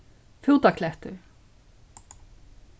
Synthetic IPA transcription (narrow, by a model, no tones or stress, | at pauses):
fjuwt̪akʰlɛht̪ʏɾ̥